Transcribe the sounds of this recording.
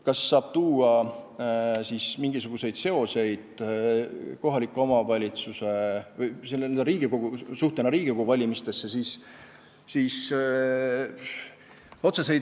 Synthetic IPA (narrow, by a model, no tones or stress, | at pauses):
kɑsːɑːb̥t̪uːɑ | siːsmiŋɡ̥isuɡ̥use̞jd̪̥se̞o̞se̞jd̪̥ | ko̞ɦɑlikːˑeo̞mɑvɑlʲit̪suse̞vɤjselːeend̪ɾiːɡ̥iko̞ɡ̥usuht̪enɑɾiːɡ̥ikouvɑlʲimist̪e̞sːe̞siːsː | iːs | o̞t̪sese̞jd̪